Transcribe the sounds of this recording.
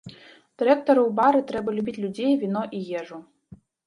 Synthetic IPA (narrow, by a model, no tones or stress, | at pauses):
d̪̥ɨɾʲɛk̚t̪oɾɨwbɑɾɨt̪ɾɛbɐlʲubʲitʲlʲudʲejvʲinɔʔijɛʐu